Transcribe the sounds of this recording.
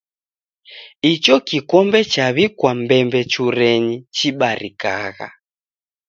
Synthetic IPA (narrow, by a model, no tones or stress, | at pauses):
it͡ʃɔkikɔmbɛt͡ʃaβikwambɛmbɛt͡ʃuɾɛɲit͡ʃiɓaɾika̰ɣa̰